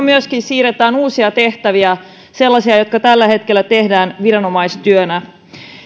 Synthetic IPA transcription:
myøskinsiːret̪æːnuːsiɑt̪e̞ht̪æʋiæ | se̞lːɑsiɑjot̪kɑt̪ælːæhe̞t̪k̟elːæt̪e̞hdæːnʋiɾɑno̞mɑjst̪yønæ

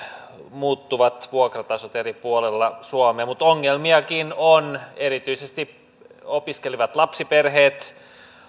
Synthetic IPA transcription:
muːt̪ːuʋɑt̪ʋuokrɑt̪ɑsot̪eripuolelːɑsuomeːmmut̪oŋːelmiɑkinoneɾit̪yisest̪i | opiskeliʋɑt̪lɑpsiperɦeːt̪

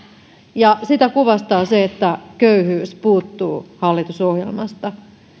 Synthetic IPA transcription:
jɑsit̪ækuʋɑst̪ɑːseet̪ːækøyhyːspuːt̪ːuːhɑlːit̪usohjḛlmɑst̪ɑ

